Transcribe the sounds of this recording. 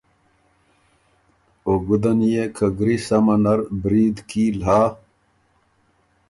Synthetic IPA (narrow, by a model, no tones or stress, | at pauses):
oɡud̪ɐnjekʰɐɡɾisɐmɐnɐɾbɾiːd̪kiːlɦaː